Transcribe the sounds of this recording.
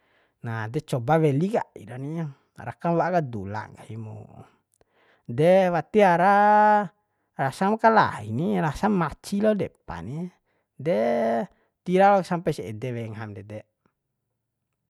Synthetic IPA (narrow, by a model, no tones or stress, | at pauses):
nadɛt͡ʃɔbawɛliɡa̰ḭdɔni | ɾa̰kamwaʔkadula̰ɡahimṵ | dɛwat̪iaɾa | rasamkala̰ḭniɾasaŋmːat͡ʃilɔdɛpa̰ni | dɛ | t̪iɾalɔksampaisiɛ̰dɛwɛŋɦamdɛdɛ